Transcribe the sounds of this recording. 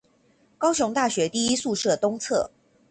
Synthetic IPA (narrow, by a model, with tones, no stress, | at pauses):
kɑ˥ʊɕjʊ˧˥ŋt̪a˥˩ɕɥɛ˧˥t̪i˥˩i˦˥su˥˧ʂɤ˥˩t̪ʊ˥ŋt͡sʰɤ̰˥˩